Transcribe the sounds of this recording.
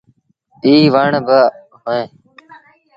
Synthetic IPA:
iːʋaːɳbə | ɦoẽː

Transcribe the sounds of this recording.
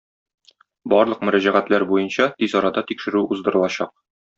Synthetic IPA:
bɒɾlˠɤq̚mɵ̆ɾæʑæʁæt̪læɾbujɤnɕɑt̪izɒɾɑd̪ɑt̪ikʃɘ̆ɾʉʔuzd̪ɤ̆ɾɤ̆lˠɑɕɑq̚

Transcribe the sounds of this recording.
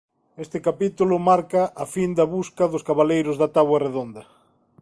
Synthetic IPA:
est̪ɪkapit̪ulʊmaɾkɐʔːfind̪ɐβuskɐðʊskaβalejɾʊzðat̪aβwareðond̪ɐ

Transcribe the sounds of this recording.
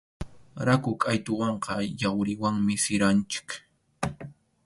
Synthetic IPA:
ɾakʊkʼajt̪ʊwɑɴqɑjawɾɪwaŋmɪsɪɾant͡ʃɪ̥k

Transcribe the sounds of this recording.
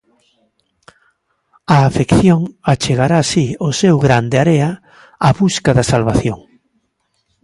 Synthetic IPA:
aːfekθjoŋat͡ʃeɣaɾasiosewɣɾand̪eaɾea | aβuskaðɐsalβaθjoŋ

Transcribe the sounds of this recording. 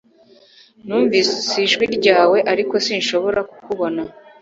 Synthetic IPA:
nuːɱviːsisiʒɡiɾɟaːwe̞ʔaɾiko̞sinʃo̞βo̞ɾaku̥kuβo̞na

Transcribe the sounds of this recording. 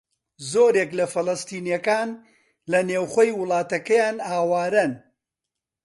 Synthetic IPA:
zoːɾeːklɐfɐlˠɐst̪iːnjɐkaːn | lɐneːwχoːjwɨlˠɑːt̪ɐkɐjaːnaːwaːɾɐn

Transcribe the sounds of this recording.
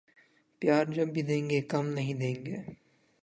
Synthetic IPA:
pjaːɾd͡ʒɐbbʱid̪ẽːŋɡeːkɐmnɐɦĩd̪ẽːŋɡḛː

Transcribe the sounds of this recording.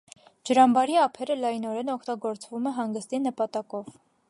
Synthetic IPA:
d͡ʒəɾɑmbɑɾiɑpʰɛɾəlɑjnɔɾɛnɔkʰt̪ɑɡɔɾt͡svumɛɦɑŋɡəst̪inəpɑt̪ɑkɔv

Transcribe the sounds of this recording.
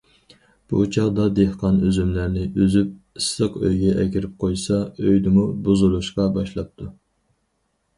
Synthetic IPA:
b̥ṵt͡ʃʰɑʁd̪ɑd̪ehqʰɑnøzymlæɾnɪʔøzyp̚ | ɨsːəqʰø̰jɡʲɛʔɛkʲiɾɪp̚qʰojsɑøjd̪ɪmubuzulˠuʃqɑbɑʃlˠɑp̚t̪ʰu

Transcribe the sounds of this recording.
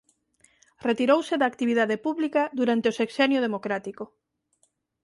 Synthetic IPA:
ret̪iɾowseðaːkt̪iβiðaðepuβlikaðuɾant̪eosekʃɛnjoð̞emokɾat̪iko

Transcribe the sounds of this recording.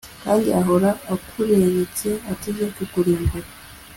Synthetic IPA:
kaːndiaɦoɾaːkʰuɾeβet͡seateɡekukuɾiːŋɡuɾa

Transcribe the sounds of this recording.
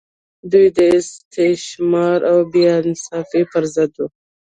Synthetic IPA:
d̪ujd̪əɪst̪eʃmɑɾʔawbjɑnsɑfepəɾzəd̪u

